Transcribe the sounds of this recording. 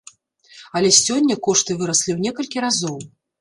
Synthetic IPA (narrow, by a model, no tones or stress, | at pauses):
ɐlʲɛsʲɔnʲːɐkɔʂt̪ɨvɨɾɐsʲlʲiwnʲɛkɐlʲkʲiɾazɔw